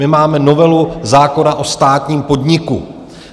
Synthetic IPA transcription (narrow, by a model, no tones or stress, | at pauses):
ɪmaːmɛno̞vɛluzaːko̞naʔo̞st̪aːt̪ɲiːmpo̞dɲɪku